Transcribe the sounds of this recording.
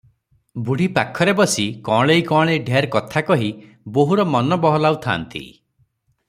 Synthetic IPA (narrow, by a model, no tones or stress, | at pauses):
buɽ̤ipakʰːɔɾebɔsikɔ̃ɭejkɔ̃ːɭeiɖʱeɾkɔt̪ʰakɔɦi | boɦuɾɔmɔnɔbɔɦɔlawt̪ʰa̰ːnt̪ḭ